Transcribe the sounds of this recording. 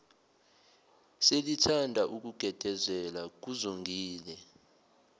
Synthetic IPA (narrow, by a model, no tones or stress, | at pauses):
selitʰandʱaʔuk̬uɡ̥ʱɛd̥ʱɛzɛlak̬uzuŋɡʱiːlɛ